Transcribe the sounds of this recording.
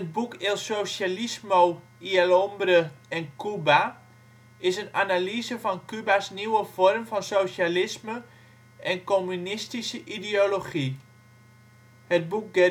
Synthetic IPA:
ət̚bukʰelsosalismow | ialɔmbɾəɛnkʰyba | ɪsənanalizəfɔnkybasniwəfɔrmfɔnsowʃalɪsmə | ʔɛnkomynɪstisəʔidioloχi | hət̚buk̚ɡɛ

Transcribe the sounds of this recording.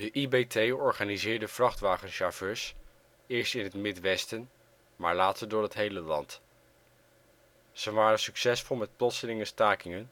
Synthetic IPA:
dəʔibetʰejɔɹχaːnizɪːɹdəv̥rɑχtʋaːχənʃav̥øːɹs | ɪːɹstɪnɦətmɪtʋɛstən | ma̰ːɹlaːtəɹdʊːɹɦətɦejləlɑ̰nt | z̥ənʋaːrənsyksɛsfʊlˠmɛt̚plɔtsəlɪŋəstaːkɪŋən

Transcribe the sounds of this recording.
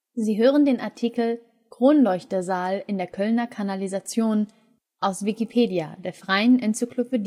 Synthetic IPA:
ziːɦøːʁəndeːnaɐtʰiːkl̩ | kʁ̥oːnlɔʏçtɐzaːlɪndeːɐkʰœlnɐkʰanalizat͡sjoːn | ʔaʊsv̥ikipʰeːdja̰deːɐfʁ̥aɪənʔɛnt͡syklʊpədi

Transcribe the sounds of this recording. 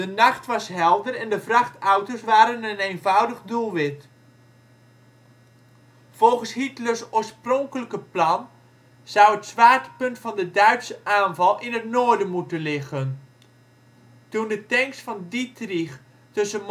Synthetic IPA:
dənɑχtʋɑsɦɛlˠdərɛndəvrɑχtawtəsʋaːɾənənejnvʌwdəχdulˠʋɪt | v̥ɔlˠχənshitləsoːɹsprɔŋkələkəplɑn | z̥ʌwətsʋaːtə̥pɵntfɑndədœɥtsəʔaːnvɑlˠʔɪnətnoːɹdənmutənlɪɣən | tundətɛŋksfɑnditriχ | tɵsənm

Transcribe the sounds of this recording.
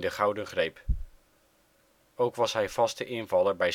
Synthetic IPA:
dəχɑwdənχrejp | owkʋɑsɦɛjv̥ɑstəʔɪnvɑləɹbɛj

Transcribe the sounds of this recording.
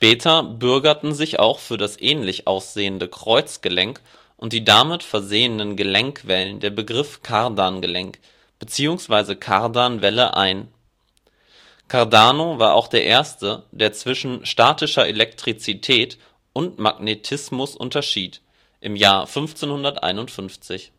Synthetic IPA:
ʃpɛːtʰɐbʏɐɡɐtn̩zɪça̰ʊxfyːɐɾasʔɛːnlɪçʔa̰ʊsz̥eːəndəkʁ̥ɔʏt͡sɡ̥əlɛŋk | ʔʊnt̚d̥iːdamɪtfɛɐzeːənənɡəlɛŋkv̥ɛləndeːɐbəɡʁɪfkʰaʁdanɡəlɛŋk | b̥ət͡siːʊŋsv̥aɪzəkʰaɐdanvɛlə̰ʔa̰ɪn | kʰaɐdaːnovaːɐʔa̰ʊxd̥eːɐʔeːɐstəd̥eːɐt͡sv̥ɪʃn̩ʃtaːtɪʃɐʔelɛk̚tʁ̥it͡sitʰɛːt | ʔʊntma̰ɡnetʰɪsmʊsʔʊ̰ntɐʃiːt | ʔɪmjaːɐfʏnft͡senhʊndɐtʔa̰ɪnʊntfʏnft͡sɪç

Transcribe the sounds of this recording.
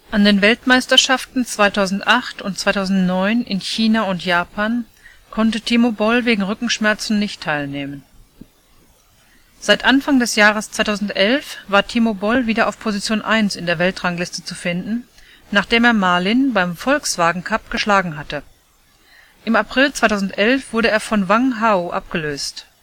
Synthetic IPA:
ʔandeːnvɛltmaɪstɐʃaftn̩t͡sv̥aɪtʰaʊzn̩tʔaχtʊnt̚t͡sv̥aɪtʰaʊzn̩tnɔʏnʔɪnçiːnaʊntjaːpʰaːn | kʰɔntətʰimobɔlveːɡŋ̩ʁʏkŋ̩ʃmɛɐt͡sn̩nɪçtʰːaɪlneːmən | z̥aɪtʔanfaŋdɛsjaːʁ̞əst͡sv̥aɪtʰaʊzn̩tʔɛlfv̥aːɐtʰimobɔlviːdɐʔa̰ʊfpʰozit͡sjoːnʔaɪnsɪndeːɐvɛltʁ̥aŋlɪstət͡sufɪndn̩ | naːχd̥eːmeːɐmaɐlɪnbaɪmfɔlksv̥aːɡŋ̩kʰap̚ɡ̥əʃlaːɡŋ̩ɦatə | ʔɪmapʁ̥ɪlt͡sv̥aɪtʰaʊzn̩tʔɛlfv̥ʊɐɾəeːɐfɔnvaŋɦaʊʔa̰p̚ɡ̥əløːst

